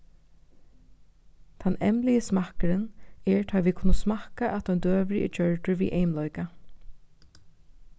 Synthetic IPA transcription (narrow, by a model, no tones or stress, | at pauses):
t̪ʰanɛ̰mlɪjəsmahkəɾənɛɹt̪ʰɑːʋiːkʰʊnːʊsmahkaʔɛt̪ʰɔʏnd̪øːʋɾɪʔɪ̰t͡ʃœɹʈɪɹʋḭːʔejmlɔjka